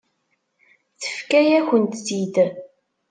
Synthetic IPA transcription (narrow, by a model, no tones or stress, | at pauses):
θə̥fkæjæçənt̪sid̪